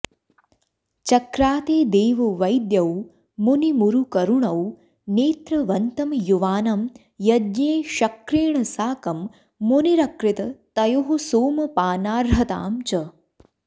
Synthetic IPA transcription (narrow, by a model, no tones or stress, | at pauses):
t͡ʃɐkɾaːt̪eːd̪eːʋɐʋɐjd̪jɐw | munimuɾukɐɾuɳɐw | neːt̪ɾɐʋɐnt̪ɐmjuʋaːnɐm | jɐd̪neːʃɐkɾiːɳɐsaːkɐmː | uniɾɐkɾɪt̪ɐt̪ɐjoɦusoːmɐpaːnaːɾɦɐt̪a̰ːmt͡ʃɐ